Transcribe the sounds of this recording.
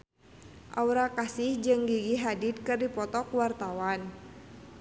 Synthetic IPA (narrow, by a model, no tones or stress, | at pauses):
ʔauɾakasɪhd͡ʒɨŋɡiɡiɦadit̪̚kɨrdipɔt̪ɔkwart̪awan